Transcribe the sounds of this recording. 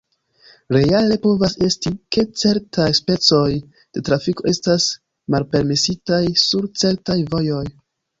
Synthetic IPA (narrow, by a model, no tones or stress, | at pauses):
ɾe̞ale̞po̞vase̞stike̞t͡se̞ɾtʰajspe̞t͡so̞j | d̥e̞tɾafiko̞ʔe̞stas | malpe̞ɾme̞sitajsuɾt͡se̞ɾtajvo̞jo̞j